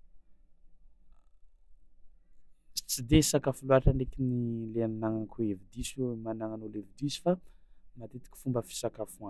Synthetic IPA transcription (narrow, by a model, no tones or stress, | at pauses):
t͡sid̪esakafuluaʈ͡ʂaɳɖ͡ʐekinileannaŋakʰuevid̪ismanaŋanolevid̪iizi̥famat̪et̪i̥kʲi̥fumbəfi̥sakafua